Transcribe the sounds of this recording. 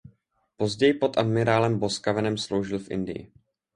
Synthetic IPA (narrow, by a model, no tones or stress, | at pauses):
po̞zɟɛjɪpo̞t̪ʔadmɪɾaːlɛmbo̞skavɛnɛmslo̞wʒɪlfʔɪ̰ndɪ̰jɪ̰